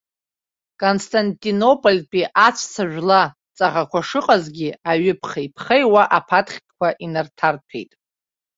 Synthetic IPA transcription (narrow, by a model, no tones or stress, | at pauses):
kʼonstʰʼantʼino̞pʼolʲpʼiʔat͡ʃʷʰsʰaʒᶣʷla | t͡sʼaʁakʷʰaʂɨqʼazɡʲiaɥʏpʰχeipʰχejwaʔapʰatχʲkʷaʔinartʰartʰḛjtʼ